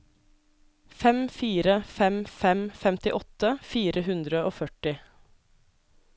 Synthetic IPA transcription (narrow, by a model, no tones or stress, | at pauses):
fɛmfiːɾəfɛmfɛmfɛmt̪ɪʔɔt̪əfiːɾʔəhʉnd̪ɾəoːfœʈɪ